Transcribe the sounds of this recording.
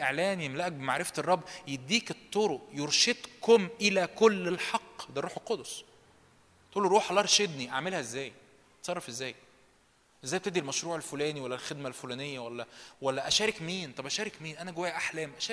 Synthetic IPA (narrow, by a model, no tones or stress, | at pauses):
ʔeʕlæːnjemlæʔæk̚bemaʕɾefæterˤːɑbːjed̪ːiːket̪ˤːoɾoʔjoɾˤʃed̪komʔelækolːelħɑqːd̪æɾːˤuːħelqod̪osˤ | t̪uːlːoɾuːħlɑɾˤʃed̪niʔaʕmelhæʔezːæːj | t̪sˤɑrˤːɑfʔezːæːj | ʔezːæːjb̚t̪eʔd̪ilmæʃɾuːʕelfolæːniwælːælxed̪mælfolæːnejːæwælːæwælːæʔæʃæːɾekmiːnt̪ˤɑbʔæʃæːɾekmiːnʔænæɡowæjæʔaħlæːmʔæʃæː